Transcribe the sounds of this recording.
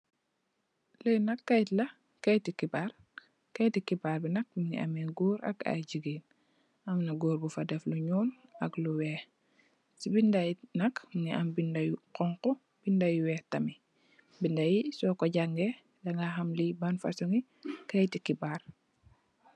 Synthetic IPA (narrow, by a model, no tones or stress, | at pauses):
lɐjnɐkːɐjtlɐ | kɐjtikibaɾ | kɐjtikibaːɾbinɐk̚mnḭʔɐ̰mɛɡuːɾɐ̰ɡa̰jd͡ʒiɡiːn | ɐmnɐɡuːɾbufɐdɛfluɲuːnɐɡluwɛːh | sibindajnɐkniʔɐmbindɐjuqɔŋkɔ | b̥indajuwɛːhtɐmi | bindɐjisɔkɔɟaŋɡɛ | dɐŋɡaxɐmlibɐnfa̰suŋi | kɐjtikibaːr